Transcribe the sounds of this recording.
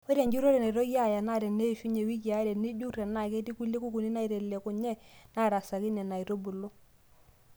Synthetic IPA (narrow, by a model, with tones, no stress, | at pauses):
ɔ˦ɾe˨ɲd͡ʒu˦ɾo˦ɾɛ˨na˨i˨ɾo˦ja˦˨ja˨na˦˨ɾɛ˨ne˦˨fu˦ɲe˨wi˦k̬ja˨˦ɾɛ˨ni˦d͡ʒu˦ɾɛ˨na˦˨ke˦ti˦ku˦le˦ku˦ku˨ni˦na˦i˨ɾe˨le˨kʊ˨ɲɛ˦na˦˨ɾa˨sa˨ki˦nɛ˨na˨i˨ɾo˦bu˨lo˦